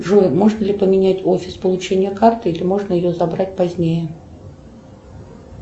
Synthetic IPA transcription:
ʐomo̞ʐnəlʲɪpəmʲɪnʲætʲo̞fʲɪ̥spəlˠʊt͡ɕenʲɪjəkart̪ɨilʲɪmo̞ʐnəjɪjozɐbɾat̚ʲpɐzʲnʲejə

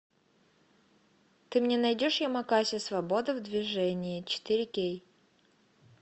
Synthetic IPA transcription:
t̪ɨmnʲenɐjdʲoʂjɪmɐkasʲɪsvɐbo̞d̪ɨvd̪vʲɪʐɛnʲɪɪt͡ɕɪ̥t̪ɨɾʲɪkʲej

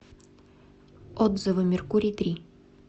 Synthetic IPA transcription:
ɔd̪zɨvɨmʲɪrkuɾʲit̪ɾʲi

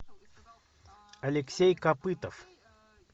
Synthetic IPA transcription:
alʲeksʲejkapɨt̪of

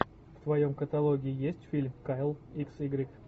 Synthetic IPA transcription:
ft̪vɐjomkət̪ɐlˠoɡʲɪːɪjesʲtʲfʲilʲmkajlˠiksiɡɾʲik

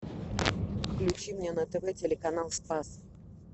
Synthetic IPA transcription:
fklʲʉt͡ɕimʲnʲenət̪ɛvɛtʲɪlʲɪkɐn̪alˠspas

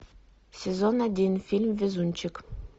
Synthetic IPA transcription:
sʲezonadʲinfʲilʲmvʲezunʲt͡ɕɘk

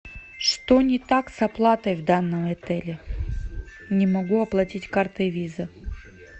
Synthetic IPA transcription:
ʂt̪onʲɪt̪aksɐplˠat̪əjvd̪anːəmɛt̪ɛlʲɪ | nʲɪmɐɡuɐplˠɐtʲitʲkart̪ɨvʲizə

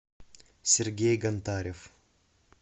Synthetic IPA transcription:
sʲerɡʲejɡɐnt̪aɾʲef

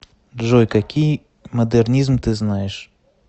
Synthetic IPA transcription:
ʐojkakʲij | mɐd̪ɛrnʲizmt̪ɨznajɪʂ

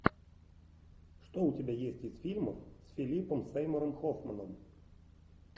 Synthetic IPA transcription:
ʂt̪oʊtʲɪbʲajesʲtʲɪzfʲilʲməfsfʲɪlʲipəmsɛjməɾəmxofmənəm

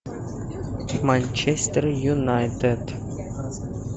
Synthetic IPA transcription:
manʲt͡ʃest̪ərjunajt̪ed̪̥

